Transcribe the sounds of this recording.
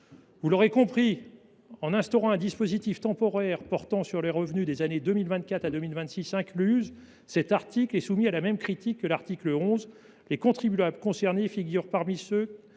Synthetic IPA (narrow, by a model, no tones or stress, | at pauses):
vulɔʁekɔ̃pχi | ɑ̃nɛ̃st̪ɔʁɑ̃ɛ̃d̪ispozit̪ift̪ɑ̃pɔʁɛʁpɔʁt̪ɑ̃syʁleʁəvnyd̪ezaned̪ømilvɛ̃t̪̚kat̪ad̪ømilvɛ̃t̪sisɛ̃klyz | sɛt̪aʁt̪iklɛsumialamɛmkχit̪ikːəlaʁt̪ikləɔ̃z | lekɔ̃t̪χibyablkɔ̃sɛʁnefiɡʲyʁpaʁmisø